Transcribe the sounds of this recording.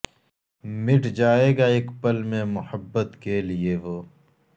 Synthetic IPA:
mɪʈʰd͡ʒaːeːɡaːeːkpəlmẽmʊhəbːət̪kelieʋoː

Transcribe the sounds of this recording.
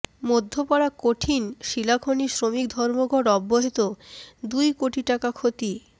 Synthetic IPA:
mod̪ʱːopaɽakoʈʰinʃilakʰonisɾomik̚d̪ʱɔɾmoɡʱɔɽɔbːoɦet̪od̪ujkoʈiʈakakʰot̪i

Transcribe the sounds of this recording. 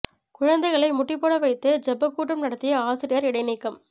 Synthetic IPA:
kʊɻɐnd̪ɐɪɣɐɭɐɪmʊʈːɪpːoːɽɐʋɐɪt̪ːɯd͡ʒɐbɐkːuːʈːɐmnɐɽɐt̪ːɪjɐaːsɪɾɪjɐɾɪɽɐɪniːkːɐm

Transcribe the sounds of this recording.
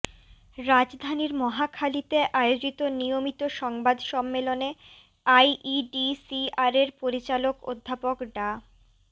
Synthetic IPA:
ɾad͡ʑd̪ʱaniɾmɔɦakʰalit̪eʔaeod͡ʑit̪onijomit̪oʃɔŋbad̪ʃɔmːelone | ajʔiɖisiaɾeɾpoɾit͡ɕaloko̰d̪ʱːapokɖa

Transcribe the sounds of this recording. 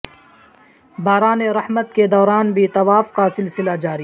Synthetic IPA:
baːɾaːneɾɐhmət̪̚ked̪ɔːɾaːnbʱit̪ɐʋaːfkasɪlsɪlad͡ʒaːɾij

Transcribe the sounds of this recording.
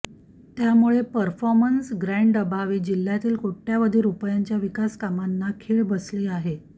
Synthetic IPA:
t̪jamuɭepəɾfɔɾmənsɡɾaɳɖəbʱaʋiːd͡ʑil̤ːjat̪iːlkoʈːjaʋəd̪ʱiːɾupjaɲt͡ɕjaʋikaskamanːakʰeːɭbəsliːaɦe

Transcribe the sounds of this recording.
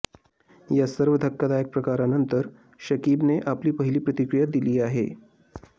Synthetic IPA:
jasəɾʋəd̪ʱəkːad̪ajək̚pɾəkaɾanənt̪əɾ | ɕəkiːbneʔapliːpəɦiliːpɾət̪ikɾijad̪iliːaɦḛ

